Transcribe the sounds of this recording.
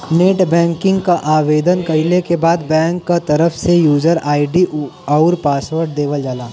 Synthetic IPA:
neːʈbɛ̃ːŋkɪ̃ŋɡkaʔaːʋeːd̪ənkɐɪlekebaːd̪̚bɛ̃ːŋkːat̪ɐɾəfsejuːd͡ʒəɾaːɪɖiɐʊɾpaːsʋəɾɖd̪eːʋəld͡ʒaːlaː

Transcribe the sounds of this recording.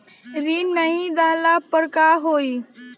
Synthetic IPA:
ɾiːnaɦid͡z̪alapəɾkaɦoi

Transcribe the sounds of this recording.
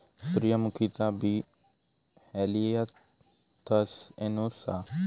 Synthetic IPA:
sʊɾjamukʰit̪abi | hɛliea | t̪ʰɐsenosa̰

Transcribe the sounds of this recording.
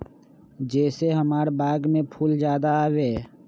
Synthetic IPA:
d͡ʒɛːseɦəmaːɾbaːɡmẽpʰuːld͡ʒjaːd̪aaːweː

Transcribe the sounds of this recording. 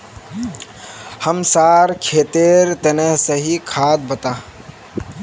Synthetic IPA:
həmsaːɾkʰeːt̪eːɾt̪əneɦsəɦikʰaːd̪̚bət̪aː

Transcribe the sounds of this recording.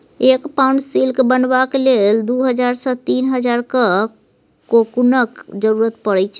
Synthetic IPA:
ekpaɳsilkebənbakeleld̪uɦəd͡ʒaɾsə̃t̪iːnɦəd͡ʒaɾkə | kokunəkd͡ʒəɾuɾət̪̚pəɽɛt͡ʃʰ

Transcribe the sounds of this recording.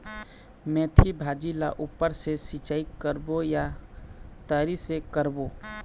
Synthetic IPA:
mẽːt̪ʰibʱaːd͡ʒilaʔupːəɾsesit͡ʃaːikəɾboja | t̪əːɾisekəɾbo

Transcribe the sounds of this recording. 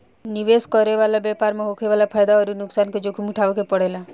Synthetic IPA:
niʋeskɔɾeʋalabjɛpaːɾmeɦoːkʰeʋaːlapʰajd̪aɔːɾinʊksaːnked͡ʒokʰimuʈʰaʋekepəɽela

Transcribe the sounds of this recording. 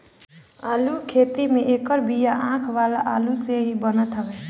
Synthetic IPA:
aːlukʰet̪imeʔekəɾbijaʔãkʰʋalaʔaluseɦibənət̪ɦəbɛ

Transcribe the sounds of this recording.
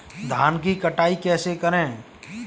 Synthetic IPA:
d̪ʱaːnkikɐʈaːikɛːsekəɾẽː

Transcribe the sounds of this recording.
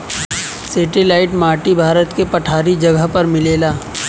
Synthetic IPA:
seːʈelaːɪʈmaːʈibʱaːɾət̪kepɐʈʰaːɾid͡ʒɐɡəɦpɐɾmɪleːlaː

